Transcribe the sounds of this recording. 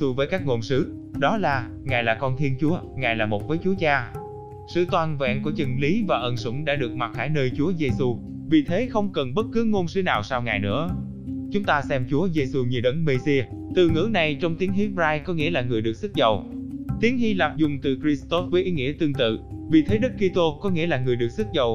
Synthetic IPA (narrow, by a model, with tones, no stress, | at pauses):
ɨ˧vəː˨˦jkaː˦˥k̚ŋo˨˩nsɨ̰˨˥ | ɗɔ˨˦laː˨˩ | ŋaː˨˩jlaː˨˩kɔ˧nt̪ʰi˧ənt͡ɕu˨˦əŋaː˨˩jlaː˨˩mo˨˩t̚vəː˨˦jt͡ɕu˨˦ət͡ɕaː˧ | sɨ̰˧˨t̪waː˧˩nvɛ̰˧˨nku˧˩t͡ɕɨ˨˩ŋli˨˦vaː˨˩ʔə˨˩nsʊ̰˧˥˩ŋ͡mɗa̰ː˧˥ɗɨ˨˩ək̚ma˨˩t̚xaː˧˩˦jnəː˧jt͡ɕu˨˦əze˧su˧ | vi˨˩t̪ʰe˨˦xə˧wŋ͡mkə˨˩nɓə˦˥t̚kɨ˨˦ŋo˧nsɨ˨˦naː˨˩wsaː˧wŋaː˨˩jnɨ̰˧˥ə | t͡ɕʊ˨˦ŋ͡mt̪aː˧sɛ˧mt͡ɕu˨˦əze˧su˧ɲɨ˨˩ɗə˨˦nme˧zi˧ | t̪ɨ˨˩ŋɨ̰˧˥na˨˩jt͡ɕɔ˧wŋ͡mt̪i˨˦əŋhi˦˥p̚zaː˧jkɔ˨˦ŋḭ˧˥əlaː˨˩ŋɨ˨˩əjɗɨ˨˩ək̚sɨ˦˥t̚zə˨˩wt̪i˨˦əŋhi˧laː˨˩p̚zʊ˨˩ŋ͡mt̪ɨ˨˩kɾi˧st̪ɔ˦˥vəː˨˦jʔi˨˦ŋḭ˧˥ət̪ɨ˧əŋt̪ɨ̰˧˨vi˨˩t̪ʰe˨˦ɗɨ˦˥k̚ːi˧t̪o˧kɔ˨˦ŋḭ˧˥əlaː˨˩ŋɨ˨˩əjɗɨ˨˩ək̚sɨ˦˥t̚zə˨˩w